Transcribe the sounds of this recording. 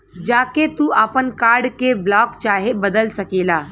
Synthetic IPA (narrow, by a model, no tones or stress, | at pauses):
d͡ʒaːket̪uʔapənkaːɾɖkeblɔːkt͡ʃaːɦebəd̪əlsɐkeːlaː